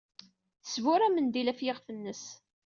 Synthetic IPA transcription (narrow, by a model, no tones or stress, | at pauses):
θəsvʊɾæmənd̪ilæfjeʁfənːəs